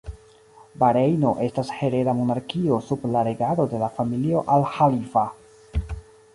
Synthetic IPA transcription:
baɾejno̞ʔe̞stashe̞ɾe̞ɾamonaɾkio̞sublaɾeɡaɾo̞de̞lafamilio̞ʔalhalifa

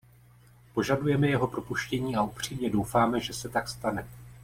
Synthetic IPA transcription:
po̞ʒadujɛmɛjɛɦo̞pɾo̞puʃcɛɲiːaupr̝̥iːmɲɛdo̞wfaːmɛʒɛsɛt̪akst̪anɛ

